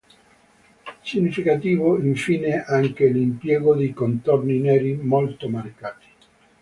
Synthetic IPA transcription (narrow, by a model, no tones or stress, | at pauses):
siɲːifikat̪iːvoiɱfiːneʔaŋk̟elimpjɛːɡod̪ejkont̪orninɛːɾimolt̪omaɾikaːt̪i̥